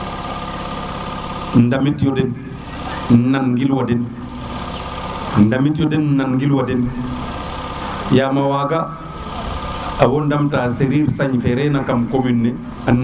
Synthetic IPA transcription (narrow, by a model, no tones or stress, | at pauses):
ndamitjɔden | naŋɡilwadin | ndamitjɔdenːaŋɡilwadin | jamawaːɡa | awondamtaːseɾiːɾsaɲfeɾenakamkominːe | an